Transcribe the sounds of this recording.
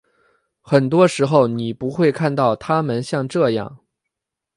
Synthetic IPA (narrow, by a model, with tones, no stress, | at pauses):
xə˨˩nt̪wɔ˥ʂɻ̩˧˥xo˥˧˩ʊni˨˩pu˧˥xwe˥˧ɪkʰa˥˧nt̪ɑ˥˩ʊt̪ʰa˥mə˧nɕjɑ˥˧ŋʈ͡ʂɤ˥˧jɑ̰˥˩ŋ